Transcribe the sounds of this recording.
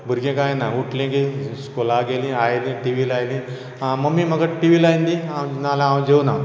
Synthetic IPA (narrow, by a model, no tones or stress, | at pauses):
bʱuɾɡẽkajnauʈlẽkiskolaɡelĩajlĩʈiʋilajlĩ | aməmiːm̤əɡaʈiʋilajnd̪iawnalããwd͡ʑewna